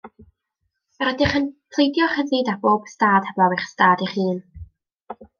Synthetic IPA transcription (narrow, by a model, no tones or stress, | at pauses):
aɾɛdɪχənpʰlˠejdjɔχəðɨdaboːb̥staːd̥hɛvɔwɪχstaːdiχɨːn